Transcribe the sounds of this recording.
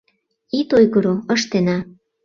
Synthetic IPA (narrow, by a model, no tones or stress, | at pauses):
it̪ojɣəɾoə̆ʃt̪enɑ